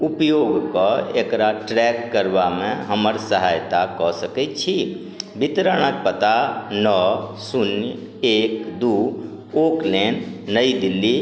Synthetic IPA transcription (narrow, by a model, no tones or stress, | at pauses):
ʊpjoːɡkɔeːkɾaʈɾɛːkːəɾʋamẽɦəməɾsəɦaːjt̪akɔsəkɛt͡ʃʰi | bɪt̪ɾəɽ̃ək̚pət̪anɔsʊnj | eːkd̪uː | oːkleːnnəid̪ɪlːi